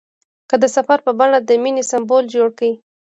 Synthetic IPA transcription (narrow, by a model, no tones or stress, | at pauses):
kəd̪əsafaɾpəbaɽad̪əminesambold͡ʒoɽkawi